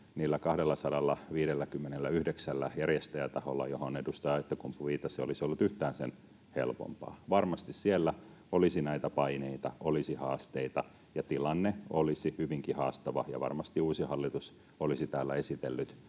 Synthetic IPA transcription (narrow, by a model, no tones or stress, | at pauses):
niːlːækɑhdelːɑsɑdɑlːɑʋiːɾelːækymːenelːæyhdeksælːæjærjest̪æjæt̪ɑholːɑ̰johonedust̪ɑːet̪ːækumpuʋiːt̪ɑsio̰lisiolːut̪yht̪æːnsḛn | hḛlpo̰mpɑ̰ːʋɑrmɑst̪issielːæ | olisinæit̪æpɑineit̪ɑʔolisihɑːst̪eit̪ɑ | jɑt̪ilɑnːeolisihyʋiŋkihɑːst̪ɑʋɑ̰jɑ̰ʋɑ̰rmɑst̪iuːsihɑlːit̪us | olisit̪æːlːæesit̪elːyt̪